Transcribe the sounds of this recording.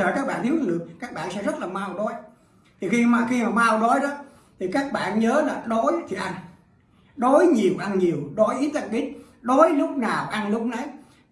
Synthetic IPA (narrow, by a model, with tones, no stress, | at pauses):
əː˧˩kaː˦˥k̚ɓa̰ː˧˨nt̪i˨˦wzɨ˧˩ɗɨ˨˩ək̚kaː˦˥k̚ɓa̰ː˧˨nsɛ̰˧˥zə˦˥t̚laː˨˩ma˧wɗo˨˦j | t̪ʰi˨˩xi˧maː˨˩xi˧maː˨˩ma˧wɗo˨˦jɗɔ˨˦ | t̪ʰi˨˩kaː˦˥k̚ɓa̰ː˧˨nɲəː˨˦laː˨˩ɗo˨˦jt̪ʰi˨˩ʔa˧jŋ | ɗo˨˦jɲi˨˩əwʔa˧nɲi˨˩əwɗo˨˦jʔi˨˦t̪a˧˩ɓi˦˥t̚ | ɗo˨˦jlʊ˦˥k͡p̚naː˨˩wʔa˧nlʊ˦˥k͡p̚na˨˦j